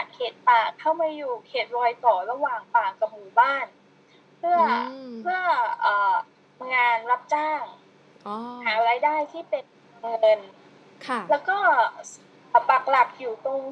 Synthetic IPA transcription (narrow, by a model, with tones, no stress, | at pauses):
a˨˩t̪̚kʰeː˨˩t̪̚paː˨˩kʰːa˥˩wmaː˧juː˨˩kʰeː˨˩t̪̚lɔː˧jt̪ɔː˨˩ɾa˧waː˨˩ŋpaː˨˩kːa˨˩p̚muː˨˩baː˥˩n | pʰɯ˥˩ɐpʰɯ˥˩ɐəʔɤː˨˩ | ŋaː˧nɾa˦˥p̚t͡ɕaː˥˩ŋ | haː˩˦ɾaː˧jdaː˥˩jt̪ʰiː˥˩pe˧n | a˧nɤ˧n | kʰlɛː˦˥wkɔː˥˩ | a˨˩pa˨˩k̚la˨˩p̚juː˨˩t̪o˧ŋ